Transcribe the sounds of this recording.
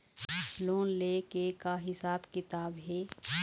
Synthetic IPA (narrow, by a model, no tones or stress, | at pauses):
loːnleːkekaɦɪsaːbkɪt̪aːbɦɛː